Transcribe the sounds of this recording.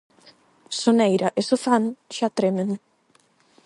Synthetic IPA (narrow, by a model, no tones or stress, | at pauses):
sonɛjɾaʔesofanʃat̪ɾemen